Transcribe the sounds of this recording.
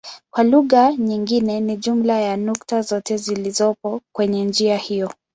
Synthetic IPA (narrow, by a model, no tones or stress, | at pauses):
kwaluɣaɲiŋɡinɛniʄum̩lajanuktazɔtɛzilizɔpɔkwɛɲɛnd͡ʒiahijɔ